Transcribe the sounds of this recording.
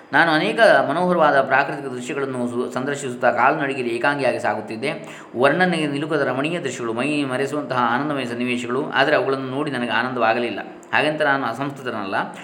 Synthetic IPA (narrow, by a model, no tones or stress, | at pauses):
naːnuɐnɛːkɐmɐnoːɦɐɾɐʋaːd̪ɐpɾaːkɾit̪ikɐd̪ɾuʃjɐɡɐɭɐnːusɐnd̪ɐɾʃisut̪ːɐkaːlɐnɐɽiɡiːɾieːkaːŋɡijaːɡisaːɡut̪ːid̪ːe̞ | ʋɐɾɳɐnːeenilukɐd̪ɐɾɐmɐɳiːjɐd̪ɾuʃjɐɡɐɭumɐjmɐɾes̬uʋɐnt̪ɐɦɐaːnɐnd̪ɐmɐjɐs̬ɐnːiʋɛːʃɐɡɐɭua̰ːd̪ɐɾeɐʋɐɡɐɭɐnːuno̞ːɽinɐnɐɡeaːnɐnd̪ɐʋaːɡɐlilːɐ̰ | haːɡent̪ɐnaːnuɐsɐmst̪ut̪ɐɾnɐ̰lːɐ